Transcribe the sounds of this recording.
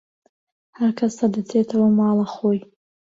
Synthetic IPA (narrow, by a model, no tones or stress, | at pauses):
haɾkʰɐsad̪ɨt͡sʰeːt̪ʰɐwɐmɑːlˠɐχoj